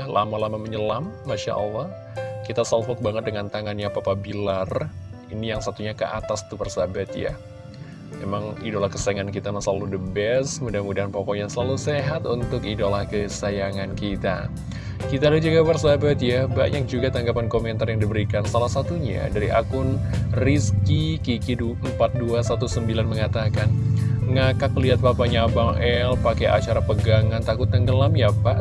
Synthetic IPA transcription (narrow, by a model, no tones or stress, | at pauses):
lʔa̰malamaməɲəlamːaʃa̰ʔə̰lːɑh | kit̪asalfɔk̚baŋət̪̚dəŋant̪aŋanjapapabilar | inijaŋsat̪uɲakəʔa̰t̪ast̪ubərsabat̪ja̰ | memaŋidolahkəsajaŋankit̪amasala̰ludəbɛsmudahmudaɦanpokɔjaŋsəlaluseɦat̪unt̪ʊkidolahkəsajaŋankit̪a̰ | kit̪adad͡ʒaɡabarsabat̪jaba̰ʔɲak̚d͡ʒuɡat̪aŋɡapankomɛnt̪arjaŋdibəɾikansalahsat̪uɲa̰daɾiʔakʊnriskikikiduəmpat̪̚duasat̪usəmbilanməŋat̪akanŋakakliat̪̚papaɲabaŋʔɛlpakeʔa̰t͡ʃaɾapəɡaŋant̪akʊt̪̚ːəŋɡəlamjapaʔ